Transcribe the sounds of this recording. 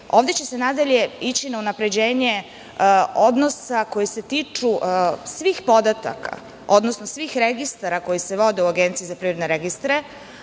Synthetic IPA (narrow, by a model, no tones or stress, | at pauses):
o̞ːʋd̪e̞t͡ɕe̞senad̪aʎe̞it͡ɕinaunapɾe̞d͡ʑe̞ːɲe̞ | o̞d̪no̞sako̞jise̞t̪iːt͡ʂuʔsʋiːxpo̞d̪at̪a̰kʰa̰ | o̞d̪nosnosʋiːxɾe̞ɡist̪aɾako̞jiseʋo̞d̪euaɡent̪sijizapɾivɾed̪neɾeɡist̪ɾe